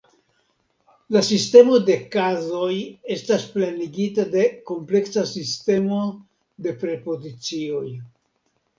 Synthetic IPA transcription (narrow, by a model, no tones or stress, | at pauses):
lasiste̞mo̞de̞kazo̞je̞stasplaniɡitade̞ko̞mple̞ksasiste̞mo̞ | de̞pɾe̞po̞zit͡sio̞j